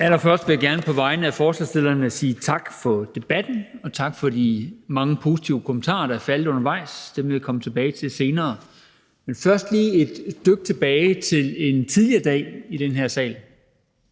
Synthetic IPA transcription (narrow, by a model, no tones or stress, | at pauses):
ælɐfɶɐsd̥ʋe̝jaɡ̥æɐnəpʰɒ̽ʋɑ̈ɪnəæfɒːslɑsd̥elɐnæsiːt͡sʰɑ̈ɡ̥fɒ̽d̥e̝b̥æd̥n̩ɒ̽t͡sʰɑ̈ɡ̥fɒ̽dimɑ̈ŋəpʰo̝ːsi̥t͡sʰiʊəkʰomən̩t͡sʰɑ̰̈ːɐɾ̥ɑæɐfælð̩ˠɔ̽nɐʋɑ̈ɪ̰sd̥emʋe̝ʋikʰɒ̽mət͡sʰe̝b̥ɛːɪt͡sʰe̝lse̝ːnɐː | menfɶɐsd̥liːe̝d̥sd̥øɡ̥ət͡sʰe̝b̥ɛːɪt͡sʰe̝le̝nt͡sʰið̞ˠliɐd̥ɛ̰ːiɾ̥enɦæɐ̰sɛ̰ːl